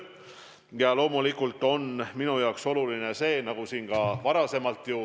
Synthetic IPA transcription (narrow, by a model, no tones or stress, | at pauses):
jɑlo̞ːmulikːˑult̪ːˑo̞nminujɑokso̞luline̞se̞ːnɑɡ̥usiːnkɑvɑɾɑse̞mɑlt̪ju